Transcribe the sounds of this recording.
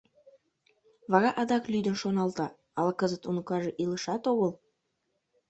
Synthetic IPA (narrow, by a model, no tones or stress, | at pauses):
βɑɣɑʔɑd̪ɑklyd̪ə̆nʃonɑlt̪ɑ | ɑlkəzə̆t̪unukɑʒɤʔilə̆ʃɑt̪oɣəlˠ